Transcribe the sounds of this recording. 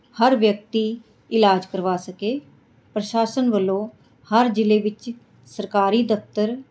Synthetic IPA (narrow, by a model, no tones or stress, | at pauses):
həɾʋjək̚t̪iː | ɪlaːd͡ʒkəɾʋaːsəkeː | pɾəʃaːsənʋəlõː | həɾd͡ʒɪleːʋɪt͡ʃ | səɾkaːɾiːd̪əft̪əɾ